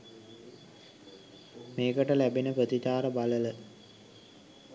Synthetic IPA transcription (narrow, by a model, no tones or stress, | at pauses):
meːkəʈəlæbinəpɾət̪it̪aːɾəbalələ